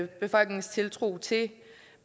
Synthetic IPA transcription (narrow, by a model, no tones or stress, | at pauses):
b̥e̝fɒ̽l̰ɡ̥ne̝ŋst͡sʰe̝lt͡sʰʁṵːt͡sʰe̝